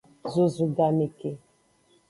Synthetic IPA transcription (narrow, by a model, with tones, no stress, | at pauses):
zu˨zu˨ɡa˨me˨ke˨